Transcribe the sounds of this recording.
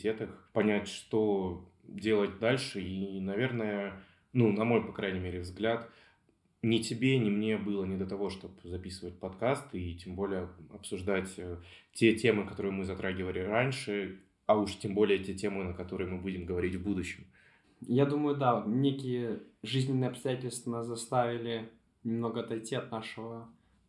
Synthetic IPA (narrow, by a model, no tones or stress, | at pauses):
tʲe̞t̪əxpɐnʲætʲʂt̪o̞ | dʲe̞lˠət̚ʲd̪alʲʂɨinɐvʲe̞rnəjə | nunɐmo̞jpɐkɾajnʲɪmʲeɾʲɪvzɡlʲat̪ | nʲɪtʲɪbʲenʲɪmnʲe̞bɨlˠənʲɪd̪ət̪ɐvo̞ʂt̪o̞pzɐpʲisɨvət̚ʲpɐt̪kast̪itʲembo̞lʲɪjəɐpsʊʐd̪atʲətʲe̞tʲe̞mɨkɐt̪o̞ɾɨjmɨzɐt̪ɾʔaɡʲɪvəlʲɪɾanʲʂɨ | ɐuʂtʲembo̞lʲɪjətʲetʲe̞mɨnəkɐt̪o̞ɾɨjmɨbudʲɪmɡəvɐɾʲitʲvbud̪ʊɕːɪm | jad̪uməjʊd̪anʲekʲɪjəʐɨzʲnʲɪnːɨjɐpst̪ɐjætʲɪlʲst̪vənaszɐst̪avʲɪlʲɪ | nʲɪmnoɡəɐt̪ɐjtʲːiɐt̪naʂɨvə